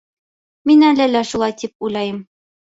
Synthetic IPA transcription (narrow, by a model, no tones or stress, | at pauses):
minælælæʃulˠɑjt̪ip̚ujlˠɑjɤm